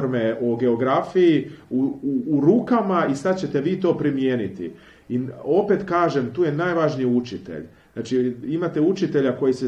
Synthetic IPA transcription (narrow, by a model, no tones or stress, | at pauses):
ɾmeo̞ɡe̞o̞ɡɾafijiuuːɾuːkamaisad̪t͡ɕe̞t̪e̞ʋiːt̪o̞ːpɾimje̞ːnit̪ḭ | io̞pe̞t̪kaːʒe̞mt̪uːje̞najʋaʒniut͡ʃit̪ḛʎ | znaːt͡ʃiimat̪e̞ut͡ʃit̪e̞ʎako̞jise